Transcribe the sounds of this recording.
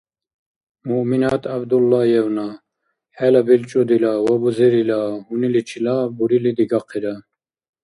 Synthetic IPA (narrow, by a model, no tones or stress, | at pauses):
muʔminaːt̪ʰabd̪ulːajɛwna | hɛlabilt͡ʃʼud̪ilawabuziɾilahunilit͡ʃʰilabuɾilid̪iɡɑqʰiɾa